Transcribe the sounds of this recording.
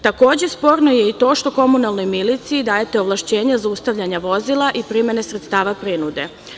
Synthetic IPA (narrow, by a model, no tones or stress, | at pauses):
t̪ako̞ːd͡ʑe̞spo̞ːɾno̞jeit̪o̞ːʃt̪o̞ko̞munalˠno̞jmilit̪siid̪aːjet̪e̞oʋlˠaʃt͡ɕe̞ːɲazaust̪aʋʎaɲaʋo̞zilˠaʔipɾimjene̞sɾet̪st̪aːʋapɾinud̪e̞